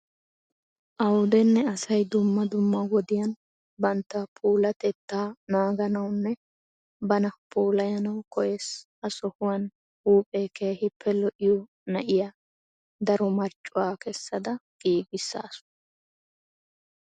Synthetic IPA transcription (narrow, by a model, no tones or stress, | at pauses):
ʔɐwd̪ɛnːɛɐsɐjd̪ʊmːɐd̪ʊmːɐɡɔd̪ɪjɐn | bɐnt̪ːɐpʰuːlɐt̪ɛt̪ːaːnaːɡɐnɐwnːɛ | bɐnɐpʰuːlɐjɐnɐwkɔjes | ɐsɔhʊwɐn | huːpʼeːkeːhɪpʰːɛlɔʔɪjɔ | nɐʔɪja | d̪ɐɾɔmɐɾt͡ʃʼːʊwaːkɛsːɐd̪ɐɡ̥iːɡɪsːa̰ːsʊ̥